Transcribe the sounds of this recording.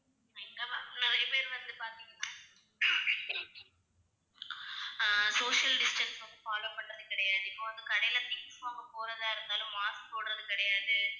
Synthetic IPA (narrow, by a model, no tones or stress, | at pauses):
ɪŋɡɐpaːnɐʋɐɾipeːɾʋɐnd̪ɯpaːɾt̪iŋɡɐnãː | soːʂɪɐlɖɪsʈɐnsʋɐnd̪ɯfaːlopːɐʈːɐðɯkɪɽɐjaːɽɯɪpːoːʋɐnd̪ɯkɐɽɐjlɐp̪ɪŋsmaːɣɐpoːɾɐðaːɪɾɯnd̪aːlʊ̃mmaːsk̚t̪oːɽɯɾɐðɯkɪɽɐjaːɽɯ